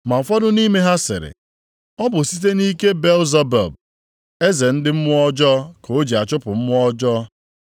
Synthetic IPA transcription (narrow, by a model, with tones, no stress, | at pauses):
ma˨fɔ˦dʊ˦ni˦me˦ɦa˦sɪ̰˨ɾɪ̰˨ | ɔ˦bʊ˨si˦t̬e˦ni˦ke˦be˦lza˦bɛ̰˨lb̚ | e˦ze˨n̩˦dɪ˦m̩˦mʊ˦ɔ˦d͡ʒɔ˦ko˦d͡ʒi˨a˨t͡ʃʊ˦pʊ˨m̩˦mʊ˦ɔ˦d͡ʒɔ˦